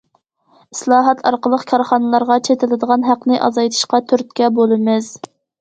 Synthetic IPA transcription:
islˠɑːɦɛt̪ʰɑ̰ɾqəlˠəqkʲʰɑɾχɑnɨlˠɑɾʁɑt͡ʃʰet̪ʰɪlɪd̪əʁɑnɦæqnɨʔɑ̰zɑjt̪ʰɨ̥ʃqɑt̪ʰyɾt̪̚kʲɛbolˠɨmɪz̥

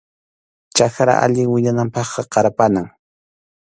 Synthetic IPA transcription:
t͡ʃaxɾa̰ʔa̰ʎɪŋwɪɲanampɑχqɑqɑɾapanaŋ

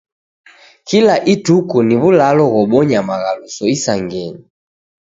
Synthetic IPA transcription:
kilaʔitukuniβulalɔɣɔɓɔɲamaɣalusɔisaŋɡɛɲi

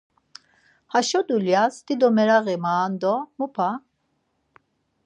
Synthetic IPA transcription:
haʃɔd̪uljasd̪̥id̪ɔmɛɾaɣɛmaːnd̪ɔmupʰa

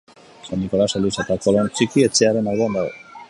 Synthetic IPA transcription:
sanːiko̞laselisat̪akolont͡sikie̞t͡seaɾe̞nalβoand̪aɣo̰

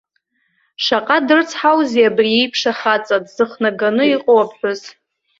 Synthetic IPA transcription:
ʂaqʼadɨrt͡sʰħawziabriejpʰʂaχat͡sʼadz̥ɨχnaɡanɨiqʼowapʰħʷᶣʊz

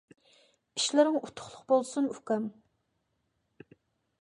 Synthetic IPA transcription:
i̥ʃlɪɾɪŋut̪ʰʊ̥χlˠʊqbolˠsunykʲɛm

